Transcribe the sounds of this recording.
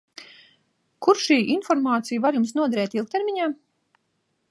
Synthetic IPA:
kuɾʃiːʔinfɔɾmaːt̪sijvaɾjumsnuɔd̪aɾɛːt̪ilˠk̚t̪eɾmiɲaː

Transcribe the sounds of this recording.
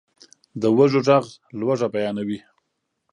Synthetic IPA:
d̪əwaʒoʈ͡ʂaɣlwaʐabajɑnawi

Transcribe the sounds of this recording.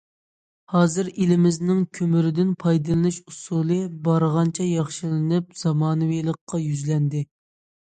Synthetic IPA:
hɑːzɨɾelɪmɪznɪŋkʲʰømyɾɪd̪ɪnpʰɑjd̪ɨlˠɨnɨʃusulˠɨbɑɾʁɑnt͡ʃʰɛjɑχʃilɪnɨp̚z̥ɑmɑːnɨwilˠəqːɑjyzlɛnd̪ɪ

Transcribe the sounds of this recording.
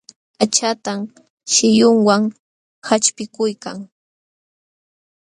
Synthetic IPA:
at͡ʃat̪am | ʃɪjʊŋwaŋ | hat͡ʃpɪkʊjka̰ŋ

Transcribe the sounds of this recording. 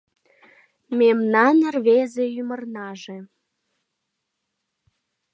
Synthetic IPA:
mʲemnɑnə̆rβezejymərnɑʒĕ

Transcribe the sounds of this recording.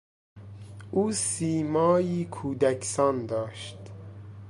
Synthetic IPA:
ʔuːsiːmɒːjiːkʰuːd̪ækʰsɒːnd̪ɒːʃt̪

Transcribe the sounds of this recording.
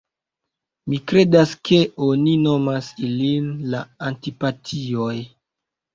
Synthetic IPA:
mikɾe̞daskʰe̞oninomasilinlaantipatʰioj

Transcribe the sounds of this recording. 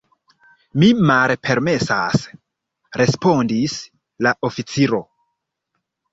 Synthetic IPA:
mimalpʰe̞ɾme̞sa̰s | ɾe̞spo̞ndis | laʔofit͡siɾo̞

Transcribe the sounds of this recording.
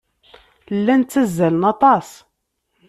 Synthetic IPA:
lːænt͡sːæzːælənɑt̪ˤɑs

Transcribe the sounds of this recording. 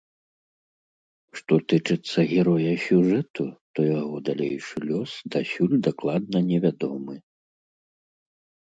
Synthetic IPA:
ʂt̪ɔt̪ɨt͡ʂɨt̪sːɐɣʲɛɾɔjɐsʲuʐɛt̪ut̪ɔjaɣɔd̪alʲejʂɨlʲɔsd̪asʲulʲd̪aklˠad̪̚nɐnʲɛvʲad̪ɔmɨ

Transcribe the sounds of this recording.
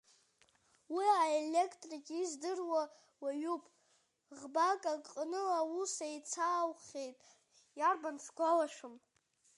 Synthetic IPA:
wiaelekʰtʼrikʲʼizdɨrwa | waɥupʼ | ʁbakʼakʼqʼnɨlausajt͡sʰaːwχʲe̞jtʼ | jarbant͡sʰɡʷalaʃʷᶣʊm

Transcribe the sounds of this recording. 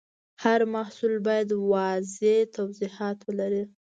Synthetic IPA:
haɾmahsulbɑjad̪wɑzet̪awzihɑt̪wəlaɾi

